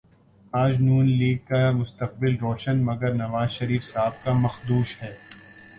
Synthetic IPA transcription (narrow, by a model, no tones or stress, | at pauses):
aːd͡ʒnuːnliːɡ̚kamʊst̪əq̚bɪlɾoːʃənmɐɡəɾnɐʋaːzʃɐɾiːfsaːb̚kamɐxd̪uːʃhɛː